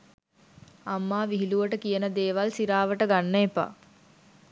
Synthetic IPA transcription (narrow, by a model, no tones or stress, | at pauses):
amːaːʋiɦiluʋəʈəkijənəd̪eːʋalsiɾaːʋəʈəɡanːəepa̰